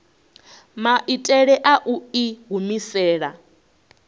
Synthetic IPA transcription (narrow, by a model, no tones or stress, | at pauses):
maʔitʼɛɺɛʔaʔuiɡumisɛːɺa